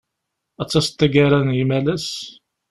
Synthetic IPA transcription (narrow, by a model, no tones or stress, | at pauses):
æt͡sːæst̪ːæɡaɾænjimælæs